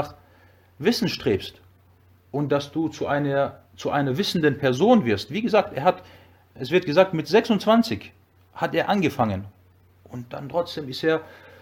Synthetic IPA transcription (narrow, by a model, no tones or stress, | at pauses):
aχ | v̥ɪsn̩ʃtʁ̥eːpst | ʔʊnt̚d̥asd̥uːt͡suʔaɪnɐ | t͡suʔaɪnɐvɪsn̩dənpʰɛɐzoːnvɪɐstv̥iːɡəzaːk̚tḛːɐhat | ʔɛsv̥ɪɐt̚ɡ̥əzaːk̚tmɪtz̥ɛksʊntt͡sv̥ant͡sɪç | hateːɐʔanɡəfaŋən | ʔʊntd̥a̰ntʁ̥ɔt͡sd̥eːmɪsteːɐ